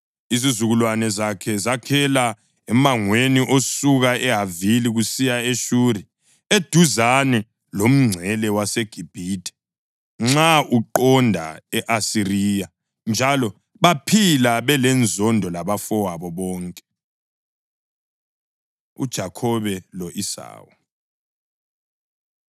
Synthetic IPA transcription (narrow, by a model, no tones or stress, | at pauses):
izizuɣulwanɛzakʰɛzakʰɛla | ɛmaŋweniʔosuɣaɛɦaviliɣusijaeʃuːɾi | ed̥ʱuzanɛ | lom̩ŋ͡ǀʱɛlɛwaseɡ̥ʱib̥ʱitʰʼɛ̥ | ŋ͡ǁaʔuǃɔndʱa̰ɛʔasiriːja | nd͡ʒʱalɔ | βapʰilaβɛlɛnd͡zʱɔndʱɔlaβafɔwaβɔβɔːŋkʼɛ̥ | ṵd̥ʒ̥ʱakʰɔβɛlɔʔisa̰ːwɔ